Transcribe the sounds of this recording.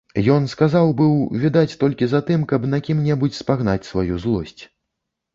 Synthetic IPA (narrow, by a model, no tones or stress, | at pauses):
jɔn̪skazawbɨwvʲid̪at͡sʲt̪ɔlʲkʲizat̪ɨmkɐbnakʲimnʲɛbut͡sʲspaɣnat͡sʲsvajuzlˠɔsʲt͡sʲ